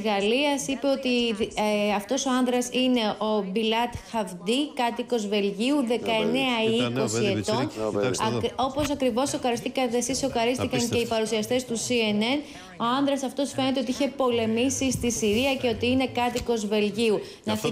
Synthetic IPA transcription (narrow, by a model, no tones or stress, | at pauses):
ɣɐliɐsipe̞o̞t̪i | ɐft̪o̞so̞ɐnðɾɐsine̞ʔo̞bilɐt̪xɐvd̪ikɐt̪iko̞zve̞lʝiuðe̞kɐe̞ne̞ɐiko̞sie̞t̪o̞n | o̞po̞sɐkɾivo̞so̞kɐɾist̪ikɐt̪esiso̞kɐɾist̪ikɐɲc̪e̞ipɐɾusiɐst̪e̞st̪usie̞ne̞n | o̞ɐnðɾɐsɐft̪o̞sfe̞ne̞t̪eot̪iiçe̞po̞le̞misist̪isiɾiɐce̞o̞t̪iine̞kɐt̪iko̞zve̞lʝiu | nɐfi